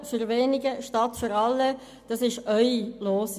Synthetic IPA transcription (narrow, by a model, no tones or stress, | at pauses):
fyɾveːnɪɡəʃtɑtføɾɑlːə | d̥ɑsɪʃœʏloːs